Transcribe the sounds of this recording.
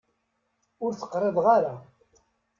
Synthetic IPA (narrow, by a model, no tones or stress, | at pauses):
ʊɾθə̥qɾˤeðˤʁaɾa